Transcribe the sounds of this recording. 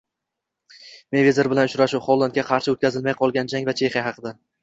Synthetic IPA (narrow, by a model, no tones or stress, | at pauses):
mevʲezeɾbɪlanʊt͡ʃɾaʃʊχɒlˠd̪ankʲaqʰɑɾʃɪot̪kʲʰazɪlmajqʰɒlˠɡʲand͡ʒaŋvat͡ʃʰe̞χijahɑqʰɨd̪a